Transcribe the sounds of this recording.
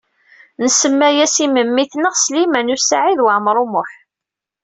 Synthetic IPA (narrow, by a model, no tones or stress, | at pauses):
nəsəmːæjæsiməmːiθnəʁslimænusaʕiðwaʕmɾˤʊmʊħ